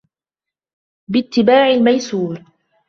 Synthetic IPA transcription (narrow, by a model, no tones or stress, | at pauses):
bɪt̪ːɪbaːʕɪlmajsuːɾ